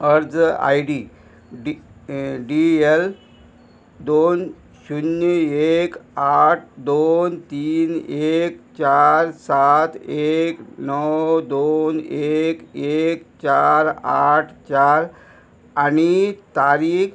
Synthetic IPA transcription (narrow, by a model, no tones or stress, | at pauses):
əɾd͡za̰jɖi | ɖiel | d̪on | ɕunjəekaʈʰd̪ont̪iːnekt͡ɕaɾsat̪ʰeknəwd̪onekekt͡ɕaɾa̰ʈʰt͡ɕaɾ | añit̪aɾiːk